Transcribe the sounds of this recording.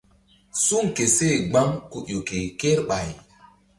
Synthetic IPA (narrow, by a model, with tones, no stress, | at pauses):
su˦ŋke˨se˦˨ɡ͡ba˦ŋko˨jo˨ke˨ke˦ɾɓa˨j